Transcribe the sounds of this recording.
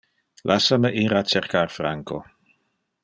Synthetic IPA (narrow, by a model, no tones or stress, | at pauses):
lʔasaməʔiːɾat͡ʃerkarfɾaŋko